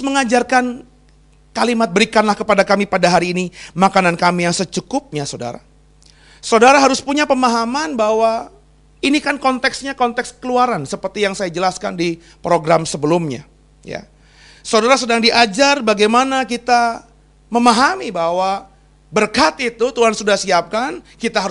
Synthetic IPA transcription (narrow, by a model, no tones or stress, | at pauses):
sməŋad͡ʒarkan | kalimat̪̚bəɾikanlahkəpadakamipadaɦaɾiːnimakanankamijaŋsət͡ʃukʊp̚ɲasoda̰ɾa̰ | saodaɾaɦaɾʊspuɲapəmaɦamanbawa | inikankɔnt̪ɛksɲakɔnt̪ɛks̚kəluaɾansəpərt̪ijaŋsajad͡ʒəlaska̰ndi | pɾoɡɾamsəbəlumɲa̰ | ja̰ | sadaɾasədaŋdiʔad͡ʒarbaɡajmanakit̪a | məmaɦamibawa | bərkat̪it̪ut̪uɦansudahsiap̚kankit̪aɦa